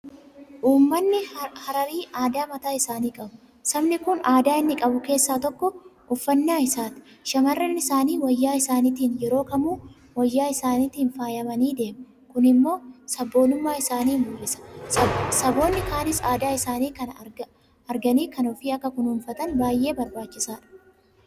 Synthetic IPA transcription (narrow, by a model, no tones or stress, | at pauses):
ʔuːmːɐnːɪhɐɾɐɾiːaːd̪aːmɐt̪aːɪsaːniːkʼɐbʊ | sɐmnɪkʊnaːd̪aːɪnːɪkʼɐbʊke̞ːsːaːt̪ɔkːɔʔʊfːɐnːaːɪsaːt̪ɪ̥ | ʃɐmɐrːɛnɪsaːniːwɐjːaːɪsaːniːt̪iːnjɛɾo̞ːkɐmuː | wɐjːaːɪsaːniːt̪iːnfaːjɐmɐniːd̪e̞ːmʊ | kʊnɪmːo̞ːsɐbːo̞ːlʊmːaːɪsaːniːmbʊlːɪsɐ̥ | sɐbo̞ːnːɪkaːnɪsaːd̪aːɪsaːniːkɐn | ɐɾɡɐniːkɐnɔfiːɐkːɐkʊnhʊnfɐt̪ɐnbaːjʔe̞ːbɐɾbaːt͡ʃːɪsaːᶑɐ̥